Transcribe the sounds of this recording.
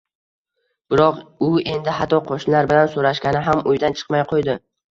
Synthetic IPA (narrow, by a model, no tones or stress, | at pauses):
b̥ɪɾɒqʊe̞nd̪ɪɦat̪ːɒqʰoʃnlaɾbɪlansoɾaʃkʲanɪɦamʊjd̪ant͡ʃʰɨ̥qmajqʰojd̪ɪ